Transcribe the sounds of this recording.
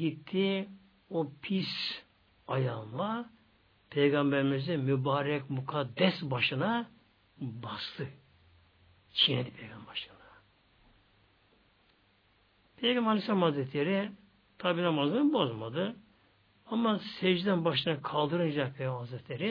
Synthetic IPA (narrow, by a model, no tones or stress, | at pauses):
ɡit̪ʰːi | opʰis | ajanlˠa | pʰejɡambɛɾimizɛmybaːɾɛkʲmukʰad̪ːɛsbaʃɯna | bast̪ʰɯ | t͡ʃʰined̪ipʰɛjɡambaʃɯnḁ | pʰejɡamalisamhazɾɛt̪ʰlʲeɾi | t̪ʰabinamazɯbozmad̪ɯ | amːasɛd͡ʒd̪ɛnbaʃɯnakʰalˠd̪ɯɾɯnd͡ʒak̚pʰejɡamhazɾɛt̪ʰlʲeɾi